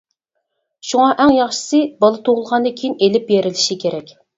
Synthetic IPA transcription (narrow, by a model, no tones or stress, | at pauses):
ʃuŋɑʔɛŋjɑχʃɨ̥sɨbɑlˠɨt̪ʰoʁʊlˠʁɑnd̪ɨkʲʰijinelɪpbjeɾɪlɪʃikʲʰeɾɛkʲ